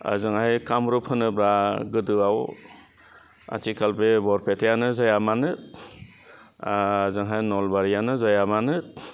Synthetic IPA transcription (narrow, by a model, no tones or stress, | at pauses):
a̰zɯŋhajkamɾɯpʰɯnɯbɾaɡɯdɯaw | a̰tʰikʰalbebɔɾpʰetʰejanɯzajamanɯt̚ | zɯŋɦajnɔlbaɾijanɯzajamanɯt̚